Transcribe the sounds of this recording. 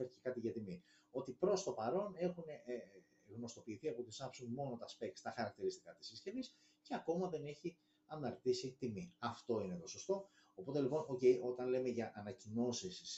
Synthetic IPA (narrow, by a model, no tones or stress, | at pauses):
eθi̥cekɐt̪iʝɐt̪imi | o̞t̪ipɾo̞st̪o̞pɐɾo̞ne̞xune | ɣno̞st̪o̞piːθiɐpo̞t̪isɐpsuŋmo̞not̪ɐspe̞kt̪st̪ɐxɐɾɐk̚t̪iɾist̪i̥kɐt̪i̥sisce̞vis | ceɐko̞mɐðe̞ne̞çi | ɐnɐɾt̪isit̪imiɐft̪o̞inet̪o̞sost̪o̞ | opo̞t̪e̞lipo̞noce̞jo̞t̪ɐnle̞me̞ʝɐʔɐnɐcino̞siss